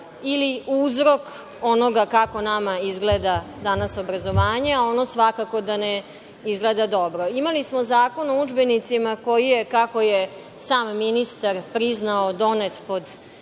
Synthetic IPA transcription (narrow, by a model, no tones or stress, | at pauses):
iliuzɾo̞k | o̞no̞ɡakako̞namaizɡleːd̪ad̪anasobɾazo̞ʋaːɲeaono̞sʋakako̞d̪ane | izɡled̪ad̪o̞bɾo̞imalismozaːko̞noud͡ʒbenit̪simako̞jijekako̞je | saːmːinist̪aɾpɾiznaod̪o̞net̪po̞d̪